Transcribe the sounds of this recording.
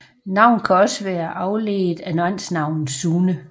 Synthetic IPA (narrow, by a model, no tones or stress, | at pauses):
nɑ̈ʊ̰nkʰæɒ̽səʋæːɐʔɑ̈ʊleːð̩ˠænoæn̰snɑ̈ʊ̰nð̩ˠsuːnə